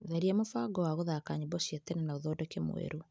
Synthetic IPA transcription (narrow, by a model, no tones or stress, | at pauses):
ðɛɾiɛmofaːɡɔwaɣoðakaɲibɔɕjetɛnɛnaoðɔːdɛkemw̰ḛɾu